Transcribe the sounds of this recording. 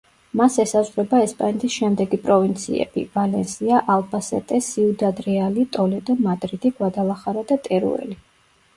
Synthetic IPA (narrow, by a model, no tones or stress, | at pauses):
masɛsazʁɾɛbaɛspʼanɛt̪ʰisʃɛmd̪ɛɡipʼɾɔvint̪sʰḭɛ̰b̥ḭvalɛnsiaʔalˠbasɛ̰t̪ʼɛsiud̪ad̪ɾɛalit̪ʼɔlɛd̪ɔmad̪ɾid̪iɡwad̪alˠaχaɾad̪at̪ʼɛɾṵɛ̰li